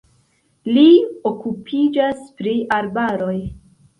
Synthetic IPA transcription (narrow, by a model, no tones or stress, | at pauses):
lio̞kupʰid͡ʒaspɾiʔaɾbaɾo̞j